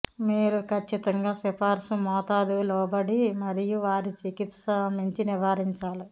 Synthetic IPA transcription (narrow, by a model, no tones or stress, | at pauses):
miːɾukʰɐt͡ʃːit̪ɐŋɡaːsipaːɾsumɔːt̪aːd̪ulɔːbɐɽimɐɾijuʋaːɾit͡ʃikit̪sɐmiɲt͡ʃiniʋaːɾiɲt͡ʃaːli